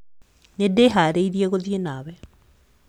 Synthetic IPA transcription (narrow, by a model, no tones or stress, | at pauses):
nedeɦaɾeiðiɛɣoðjenaːwɛ